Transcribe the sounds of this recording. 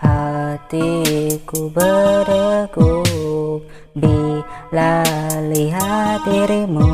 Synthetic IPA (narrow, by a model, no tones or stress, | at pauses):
hat̪ikubəɾəku | bilaliɦat̪iɾimu